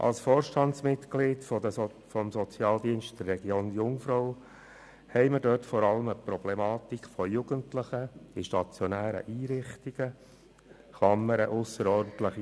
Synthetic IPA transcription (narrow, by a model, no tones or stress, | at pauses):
ʔɑ̰lsfoːrʃtɑntsmɪtklɪtfdə | fɔmsɔt͡sjɑːld̪iənʃtd̥̪ɛrːɛɡjoːnjʊŋfɾɔʊ | hɛɪməɾdøtfɔɾɑləməpɾɔb̥lemɑːt̪ikʰfɔjuɡ̥əntləχəɪʃtɑt͡sjɔnæːɾə̰ʔiːɾɪχtiɡ̥ə | χlɑmːəɾəʔʊsəɾɔɾdn̩tləχi